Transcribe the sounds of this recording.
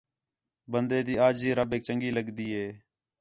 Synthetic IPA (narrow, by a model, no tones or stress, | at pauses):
bənd̪eːd̪iːaːd͡ʒiːɾəbeːk̚t͡ʃəŋɡiːləɡd̪iːɦeː